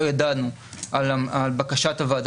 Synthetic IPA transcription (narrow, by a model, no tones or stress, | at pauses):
ojad̪anu | alaalbakaʃat̪avaːd̪